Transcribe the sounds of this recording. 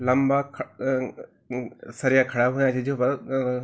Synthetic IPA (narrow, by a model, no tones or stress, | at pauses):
lɐmbakʰ | sɐɾijakʰɐɽaːɦũãt͡ʃʰid͡ʒopɐɾ